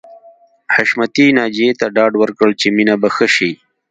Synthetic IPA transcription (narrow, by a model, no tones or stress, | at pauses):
haʃmat̪inɑːd͡ʒet̪aɖɑːɖwəɾkəɭt͡ʃeminabaxəʃi